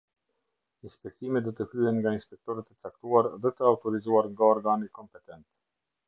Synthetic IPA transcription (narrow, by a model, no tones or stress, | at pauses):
inspɛk̚t̪imɛt̪d̪ɔt̪əfyhɛnŋɡainspɛk̚t̪ɔɾɛt̪ːət͡sak̚t̪uaɾðɛt̪əawt̪ɔɾizuaɾŋɡaɔɾɡanikɔmpɛt̪ɛnt̪